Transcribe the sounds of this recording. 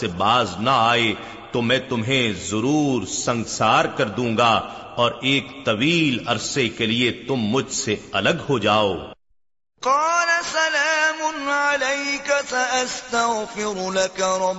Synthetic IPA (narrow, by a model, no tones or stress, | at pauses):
ebaːznɐaːe | t̪omɛ̃ːt̪ʊmɦẽzʊɾuːɾsɐ̃ŋɡsaːɾkɐɾd̪ũːŋɡa | ɔːɾeːkt̪ɐʋiːlɐɾsekeliet̪ʊmːʊd͡ʒʱseɐləɡhod͡ʒaːoː | qɑːlasɐlaːmʊnʕalɐjkasaʔast̪ɐɣfɪɾlakaɾˤɑb